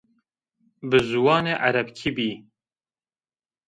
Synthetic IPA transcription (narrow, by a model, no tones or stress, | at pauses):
bɨzuwɑːneːʔæɾɛbkʰibiː